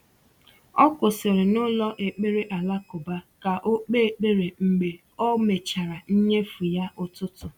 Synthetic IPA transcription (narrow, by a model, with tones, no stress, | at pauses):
ɔ˦kʊ˨sɪ˨ɾɪ˨nʊ˦lɔ˦ʔe˨k͡pe˦ɾe˦ʔa˨la˦kʊ˨ba˦ka˨ʔo˦k͡pe˦˨k͡pe˦ɾe˨ŋ͡m̩˨ɡ͡be˨ | ɔ˦me˨t͡ʃa˨ɾa˨n̩˦ɲe˦fu˨ja˦ʊ˦tʊ˦tʊ˨